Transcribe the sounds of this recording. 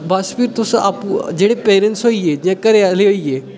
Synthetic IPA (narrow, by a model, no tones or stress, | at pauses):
baspiːɾt̪usəʔapud͡ʑeɽepeɾenʈsɦojed͡ʑãkəɾealeɦoje